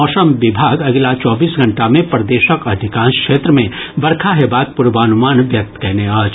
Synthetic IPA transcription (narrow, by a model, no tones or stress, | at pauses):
ɔːʃəmʋɪbʱaːɡɐɡlat͡ʃɔːbiːsɡʱɐ̃ɳʈamẽpɾəd̪eːʃəkɐd̪ʱɪkãːnskʃeːt̪ɾəmẽbɐɾkʰaɦɛbaːk̪̚pʊɾʋaːnʊmaːnʋjɐk̚t̪kɐɦneaːd͡ʒ